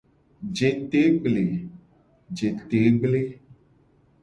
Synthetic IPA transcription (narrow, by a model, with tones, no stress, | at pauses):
d͡ʒe˨t̪e˨˦ɡ͡ble˨ | d͡ʒe˨t̪e˨˦ɡ͡ble˦